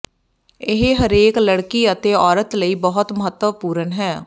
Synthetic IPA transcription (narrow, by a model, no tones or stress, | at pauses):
ɪɦɦəɾeːkləɽkiːət̪eːɔːɾət̪ləiːbəɦʊt̪məɦət̪ːəʋpuːɾənɦɛː